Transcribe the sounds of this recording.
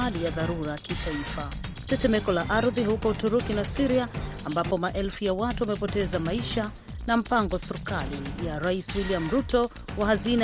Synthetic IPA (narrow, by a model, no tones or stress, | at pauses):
alijaðaɾuɾakitʰaifa | tɛtɛmɛkɔlaʔaɾðiɦukɔutuɾukinasiɾiaːmbapɔmaʔɛlfujawatuamɛpɔtɛzamaiʃa | nam̩paŋɡɔsiɾikalijaɾaiswiliam̩ɾutɔ | wahazina